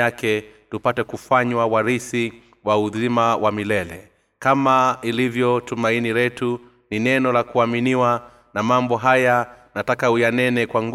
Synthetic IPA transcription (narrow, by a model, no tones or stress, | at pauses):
akɛtupatɛkufaɲwawaɾisi | wauðimawʔamilɛlɛ̰ | kamailivjɔtumainiɾɛtu | ninɛnɔlakuaminiwa | namambɔɦajanatakaujanɛnɛkwaŋɡ